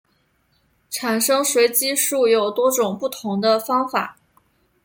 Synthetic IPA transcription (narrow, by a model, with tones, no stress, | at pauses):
ʈ͡ʂʰa˨˩nʂɤ˥ŋʂwe˧˥ɪt͡ɕi˥ʂu˥˩jo˨˩ʊt̪wɔ˥ʈ͡ʂʊ˨˩ŋpu˥˩t̪ʰʊ˧˥ŋd̪ə˧fɑ˥ŋfa̰˨˩˦